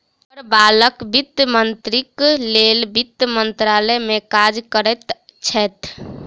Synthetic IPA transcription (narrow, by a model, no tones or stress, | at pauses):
əɾbaːləkbit̪əmənt̪ɾikleːlbit̪mənt̪ɾaːlɛmẽkad͡ʒkəɾɛt̪t͡ʃʰɛt̪